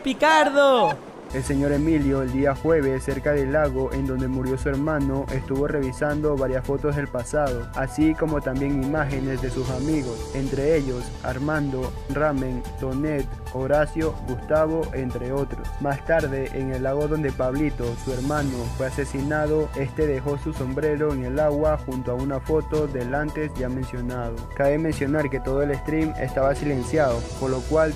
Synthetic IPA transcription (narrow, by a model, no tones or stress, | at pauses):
pikaɾðo | e̞lse̞ɲo̞ɾe̞miljoeld̪iaxwe̞β̞esːe̞ɾkaðe̞lːaɣo̞ʔend̪o̞nd̪e̞muɾjo̞sue̞ɾmãno̞ʔe̞st̪uβo̞re̞βisand̪o̞βaɾjasfo̞t̪o̞zðe̞lpasaðoasiko̞mo̞t̪ambje̞ŋimaxe̞ne̞zðe̞susamiɣo̞se̞nt̪ɾe̞e̞ʎo̞s | a̰ɾmãnd̪o | ramẽnso̞net̪ | oɾasjo̞ɡust̪aβo̞ʔe̞nt̪ɾe̞o̞t̪ɾo̰smast̪aɾðe̞ʔeŋelːaɣ̞o̞ðo̞nd̪e̞paβlit̪o̞sue̞ɾmãnofwe̞ase̞sinaðo̞e̞st̪e̞ðe̞xo̞suso̞mbɾe̞ɾo̞eŋe̞laɣwaxunt̪oaunafo̞t̪o̞ðe̞lant̪e̞sʝamẽ̞nsjo̞naðo̞kaβemensjo̞naɾke̞t̪o̞ðoe̞lest̪ɾimḛst̪aβasile̞nsjaðopoɾlo̞kwal